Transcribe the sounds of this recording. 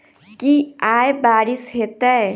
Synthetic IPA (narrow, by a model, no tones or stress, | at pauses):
kiaebaːɾisɦet̪ɛ